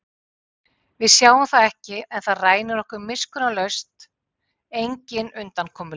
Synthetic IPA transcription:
vɪðsjaːwamθaðɛhcɪɛnθaðraːjnɪɾɔhkʏɾmɪskʏnalœɥst̪ | ejɲcɪnʏnt̪ankʰɔːmʏ

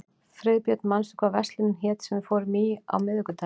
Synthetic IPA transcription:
fɾɪðpjœt̪nmansʏ̥kvavɛst̪lɪnçɛːt̪sɛmɪfoːwɾmia̰wmɪðʏkʏt̪ʰa

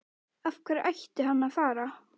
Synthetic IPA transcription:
afkʰvɛːɾajht̪ɪɦanːaðfaːɾa

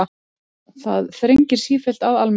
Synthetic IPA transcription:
θa̰ðθɾeɲcɪɾ̥siːfɪl̥t̪aðalm

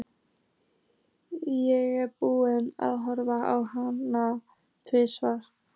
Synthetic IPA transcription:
jɛɣɛɾpuːɪna̰ðɦɔɾvaawhana | t̪ʰvɪsvaɾ̥

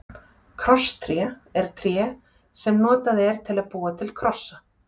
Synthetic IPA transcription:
kʰɾɔst̪ʰɾjɛɛɾ̥t̪ʰɾjɛː | sɛmnɔːt̪aðɛɾ̥t̪ʰɪlaðpuːat̪ʰɪlkʰɾɔsːa

